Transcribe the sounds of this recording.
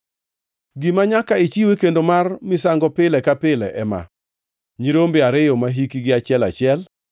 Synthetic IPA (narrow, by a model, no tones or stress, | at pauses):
ɡɪmaɲakait͡ʃiwekendomarmɪsaŋɡɔpɪlɛkapɪlɛʔɛma̰ | ɲiɾombɪaɾɪjɔmaɦikiɡɪat͡ʃɪɛla̰t͡ʃɪɛl